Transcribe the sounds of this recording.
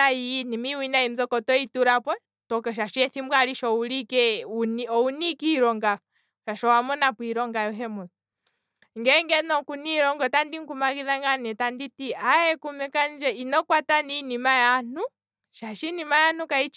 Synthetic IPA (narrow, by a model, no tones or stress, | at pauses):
ainimiwinaim̩zɔkɔtɔituɾapwɛ | tɔkɔʃ̬aʃɔɛθimbwaliʃɔulikɛuniɔunikiɾɔŋɡa | ʃaʃɔwamɔnapwiɾɔŋɡajɔɦɛmɔ | ŋɡɛŋɡɛnɔkuniɾɔŋɡɔtandiŋkumakiðaŋɡanɛtanditiaɛkumɛkand͡ʒɛinɔkwataninimajan̥u | ʃaʃinimajanukait͡ʃ